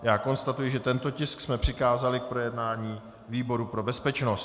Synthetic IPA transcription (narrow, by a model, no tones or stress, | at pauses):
jaːko̞nst̪at̪ujɪʒɛt̪ɛnt̪o̞cɪsksmɛpr̝̥ɪkaːzalɪk̚pɾo̞jɛdnaːɲiː | viːbo̞ɾupɾo̞bɛspɛt͡ʃnost̪